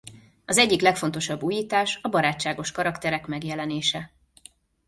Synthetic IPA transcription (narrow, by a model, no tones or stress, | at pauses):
ɒzɛɟːiklɛkfo̞nt̪o̞ʃɒbːuːjiːt̪aːʃɒbɒɾaːt͡ʃːaːɡo̞ʃkɒɾɒkt̪ɛɾɛkmɛɡjɛlɛneːʃɛ